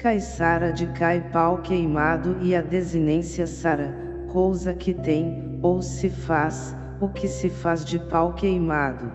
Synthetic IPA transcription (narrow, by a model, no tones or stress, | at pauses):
kajsaɾɐd͡ʒɪkajpawkejmad̪ʊɪɐd̪ezinẽsiɐsaɾɐ | kowzɐkɪt̪ẽj̃ | owsɪfaz | ʊkɪsɪfazd͡ʒɪpawkejmad̪ʊ